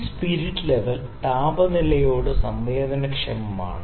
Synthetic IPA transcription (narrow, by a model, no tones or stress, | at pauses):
spiɾiʈːɨleʋɐl | t̪aːbɐnilɐjo̞ːɽɨsɐmʋeːd̪ɐnɐkʂɐmɐma̰ːɳɨ